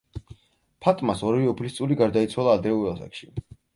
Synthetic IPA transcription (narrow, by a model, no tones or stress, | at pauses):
pʰat̪ʼmasɔɾviɔpʰlist̪sʼuliɡaɾd̪ait̪sʰwalˠaːd̪ɾɛuɾasa̰kʃi